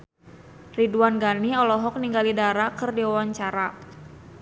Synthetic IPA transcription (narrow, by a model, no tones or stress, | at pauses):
riduanɡaniɔlɔɦɔk̚niŋɡalidaɾakɨrdiwawaɲt͡ʃaɾa